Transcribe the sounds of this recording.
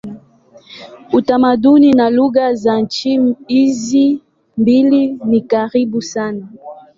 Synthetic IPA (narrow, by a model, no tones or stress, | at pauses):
utamaduninaluɣazant͡ʃiizi | mbilinikaɾibusana